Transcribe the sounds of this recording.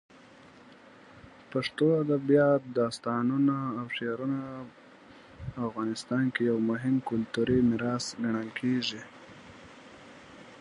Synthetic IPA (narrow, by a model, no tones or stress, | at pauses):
paʂt̪oad̪abijɑt̪̚d̪ɑst̪ɑnunaːwʂeɾuna | fɣɑnɪst̪ɑnkejawmʊɦɪmkʊlt̪uɾimɪɾɑsɡaɳəlkʰeʐi